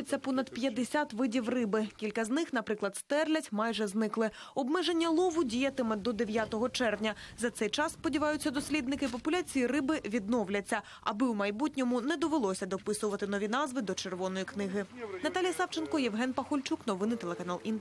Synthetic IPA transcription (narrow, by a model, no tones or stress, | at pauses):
et͡sʲːɐpɔnɐd̪pʲjɐd̪esʲat̪ʋɪdʲiwrɪbɪkʲilʲkɐznɪxnɐpɾɪklˠɐd̪st̪ɛrlʲɐtʲmɑjʒɛznɪklˠɪɔbmɛʒenʲːɐlˠɔʋʊdʲijɐt̪ɪmɛd̪ɔd̪eʋʲjat̪ɔɦɔt͡ʃɛrwnʲɐzɐt̪sɛjt͡ʃɑsspɔdʲiʋɑjʊt͡sʲːɐd̪ɔsʲlʲid̪nɪkɪp̬ɔpʊlʲat͡sʲijirɪbɪʋʲid̪̚nɔwlʲɐt͡sʲːɐ | ɐ̰bɪwmɐjbutʲnʲɔmʊnɛd̪ɔʋelˠɔsʲɐd̪ɔpɪsʊʋɐt̪ɪnɔʋʲinɑzʋɪd̪ɔt͡ʃerʋɔnɔjiknɪɦɪnɐt̪ɑlʲijɐsɑwt͡ʃenkɔjɛʋɦɛnpɐxɔlʲt͡ʃuknɔʋɪnːɪt̪elˠekɐnɑlˠin